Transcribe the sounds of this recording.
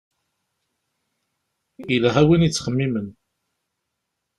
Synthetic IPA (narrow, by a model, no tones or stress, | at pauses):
ilæɦæwinit͡sːχəmːimən